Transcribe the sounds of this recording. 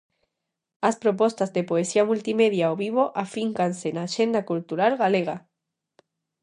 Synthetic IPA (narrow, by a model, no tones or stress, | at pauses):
aspɾopɔst̪azðepoesiamult̪imeðjaoβiβ̞oʔafiŋkansenaːʃend̪akult̪uɾalɣaleɣ̞a